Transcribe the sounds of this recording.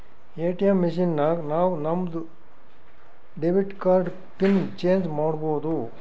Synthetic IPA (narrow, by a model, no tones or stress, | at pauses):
eːʈijɐmːiʂ̬inːɐnaːʋunɐmd̪u | ɖeʋiʈkaːɾɖ | pint͡ʃeːɲd͡ʒmaːɽboːd̪u